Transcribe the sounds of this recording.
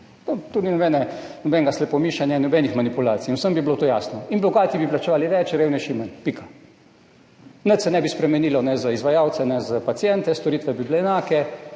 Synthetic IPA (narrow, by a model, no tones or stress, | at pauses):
not̪oːninɔbɛnɛnɔbɛŋɡaslɛpɔmiʃanjainɔbɛnixmanipulaːt̪sijinwsəmbibilot̪oːja̰ːsnɔinbɔɡaːt̪jibiplat͡ʃɛʋaːliʋɛt͡ʃɾeːwnɛʃimənpika | nət̪sɛnɛbispɾɛmɛniːlɔnɛzaizʋajaːwt̪sɛnɛzapat̪sjɛnt̪ɛst̪ɔɾiːt̪ʋɛbibileːnaːkɛ